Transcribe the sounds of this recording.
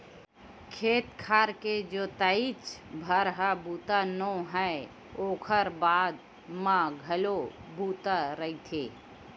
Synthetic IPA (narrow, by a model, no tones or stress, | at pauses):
kʰeːt̪kʰaːɾked͡ʒoːt̪əit͡ʃbʱəɾɦəbuːt̪anõɦɛ | oːkʰəɾbaːd̪ | mãɡʱəlobʱuːt̪aɾəit̪ʰeː